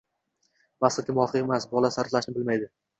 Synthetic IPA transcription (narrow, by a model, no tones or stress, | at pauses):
masɨkʲɪmvɒqʰɨemasbɒlasaɾt̪laʃnɪbɪlmajd̪ɪ